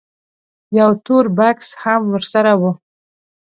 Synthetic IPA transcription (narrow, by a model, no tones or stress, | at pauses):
jawt̪oɾbakshamwəɾsaɾawu